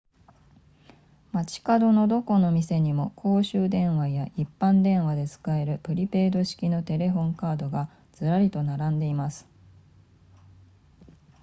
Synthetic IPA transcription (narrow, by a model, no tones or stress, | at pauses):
mat͡ɕi̥kad̪o̞no̞d̪o̞ko̞no̞mʲise̞ɲ̟imo̞kʰo̞ːɕɨːd̪ẽ̞ɰ̃βajaʔipːãnd̪ẽ̞ɰ̃βad̪e̞t͡sɨ̥kae̞ɾɯ̟pɯ̟ɾʲipe̞ːd̪o̞ɕi̥kʲino̞t̪e̞ɾe̞ɸõ̞ŋkaːd̪o̞ɡa | d͡z̥ɨɾaɾʲit̪o̞naɾãnd̪e̞imasɨ̥